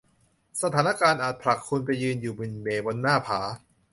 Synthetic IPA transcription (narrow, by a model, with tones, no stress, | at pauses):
sa˧aː˩˦˥na˧kaː˧nʔaː˨˩t̪̚pʰɾa˨˩kʰːu˧npa˧jːɯː˧njuː˨˩bɯ˨˩nbeː˨˩bo˧nːaː˥˩pʰaː˩˦